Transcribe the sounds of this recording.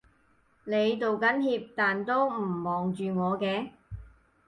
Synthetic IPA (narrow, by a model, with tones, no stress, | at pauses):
ne˨˧jt̪o˨wkɐ˨˥nhiː˧p̚t̪aː˨nt̪o˥wm̩˨˩mɔː˨ŋt͡ʃyː˨ŋɔː˨˧kɛː˧